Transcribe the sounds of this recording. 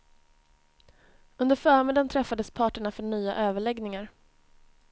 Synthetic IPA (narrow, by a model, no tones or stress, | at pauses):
ɵnd̪əɾfœːɾmɪd̪ant̪ʰɾɛfːad̪əspʰɑːʈəɳafœɳyːa̰ʔøːvəɭɛɡnɪŋaɾ